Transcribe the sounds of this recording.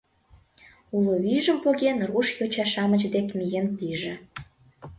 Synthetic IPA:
uloβiʒəmpoɣenruʃjot͡ɕɑʃɑmət͡ɕd̪ekmijenpiʒĕ

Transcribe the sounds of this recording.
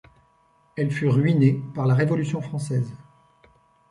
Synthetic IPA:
ɛlfyʁɥinepaʁlaʁevɔlysjɔ̃fχɑ̃sɛz

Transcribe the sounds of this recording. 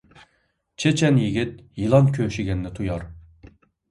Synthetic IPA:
t͡ʃʰet͡ʃʰɛnjiɡʲɪt̪̚jilˠɑnkʲʰøʃiɡʲɛnːɪt̪ʰujɑɾ

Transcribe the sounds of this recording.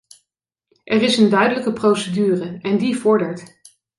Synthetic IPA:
ʔɛrɪsəndœɥdələkəprowsədyːrəɛndivɔɹdəɹt

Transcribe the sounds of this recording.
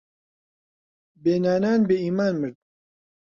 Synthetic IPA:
beːnaːnaːnbeiːmaːnmɨɾd̪̚

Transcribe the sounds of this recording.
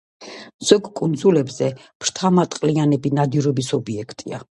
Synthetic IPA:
z̥ɔɡkʼund̪zulɛbzɛpʰɾt̪ʰamat̪ʼqʼlianɛbinad̪iɾɔbisɔbiɛkʰt̪ʼia̰

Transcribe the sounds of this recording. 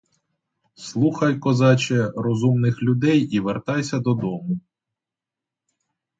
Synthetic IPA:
slˠuxɐjkɔzɑt͡ʃɛrɔzumnɪxlʲʊd̪ɛjiʋert̪ɑjsʲɐd̪ɔd̪ɔmʊ

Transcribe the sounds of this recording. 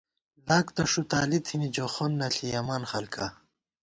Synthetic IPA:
laːkt̪ɐʂut̪aːlit̪ʰinid͡ʑoxonːɐɬijɐmaːnxɐlkʰa

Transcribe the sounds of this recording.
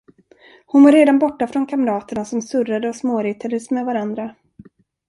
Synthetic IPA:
hʊnvoɾeːd̪anbɔʈːafɾɔnkʰamɾɑːt̪əɳasɔmsɵrad̪əɔsmoːɾɪt̪ʰɛd̪əsmɛvaɾand̪ɾa

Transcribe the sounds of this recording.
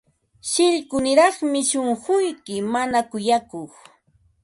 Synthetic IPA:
ʃɪʎkʊnɪɾɑχmɪʃoɴχʊjkɪmanakʊjakoχ

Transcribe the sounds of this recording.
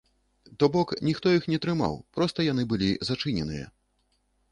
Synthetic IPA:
t̪ɔbɔknʲixt̪ɔjixnʲɛt̪ɾɨma̰wpɾɔst̪ɐjanɨbɨlʲizat͡ʂɨnʲɛnɨjɛ̰

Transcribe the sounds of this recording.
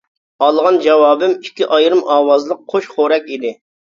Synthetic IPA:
ɑlˠʁɑnd͡ʒɛwɑːbɪmikʲʰːiʔɑjɾɨmɑːwɑzlˠəqqʰːoʃχoɾɛkʲid̪ɪ

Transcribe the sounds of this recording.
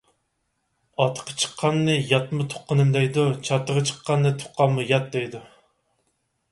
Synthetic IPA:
ɑt̪ʰːə̥qʰɑ̥t͡ʃʰə̥qʰːɑnːɨjɑt̪mɨt̪ʰo̥qːənɨmd̪ɛjd̪ut͡ʃʰɑt̪ːəʁɑt͡ʃʰə̥qːɑnːɨt̪ʰo̥qːɑnmujɑt̪̚d̪ɛjd̪u

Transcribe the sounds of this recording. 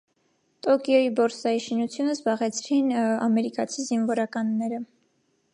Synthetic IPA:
t̪ɔkjɔibɔɾsɑiʃinut͡sʰjunəzbɑʁɛt͡sʰɾinɑmɛɾikɑt͡sʰizinvɔɾɑkɑnːɛɾə

